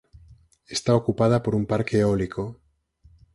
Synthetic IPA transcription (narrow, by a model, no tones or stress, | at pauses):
est̪aokupað̞apo̞ɾumpaɾkeolikʰo